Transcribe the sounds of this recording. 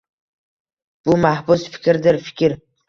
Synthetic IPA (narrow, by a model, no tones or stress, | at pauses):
b̥umahbusfɪ̥kʲɪɾd̪ɪɾfɪ̥kʲʰɪɾ